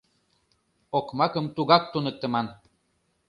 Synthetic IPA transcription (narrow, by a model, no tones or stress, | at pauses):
okmakəmt̪uɡak̚t̪unək̚t̪ːəman